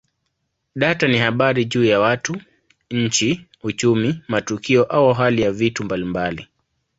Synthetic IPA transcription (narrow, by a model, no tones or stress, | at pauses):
ɗatanihaɓaɾiʄuːjawatu | ɲ̩t͡ʃi | ut͡ʃumimatukiɔʔauɦalijavitumbalimbali